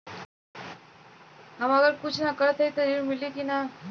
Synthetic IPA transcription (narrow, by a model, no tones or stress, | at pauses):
ɦəməɡəɾkut͡ʃʰnakəɾət̪ʰejt̪əɾiɾmilikina